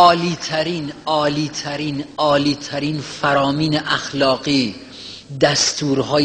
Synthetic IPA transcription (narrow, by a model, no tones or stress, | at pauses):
ɒːliːt̪ʰæɾiːnɒːliːt̪ʰæɾiːnɒːliːt̪ʰæɾiːnfæɾɒːmiːneʔæxlɒːɢiː | d̪æst̪uːɾɦɒːj